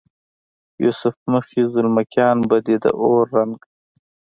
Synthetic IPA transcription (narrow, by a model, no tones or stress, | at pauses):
jṵsʊfməxizʊlmakjɑːnbad̪id̪ə̰ʔoːɾːaŋɡ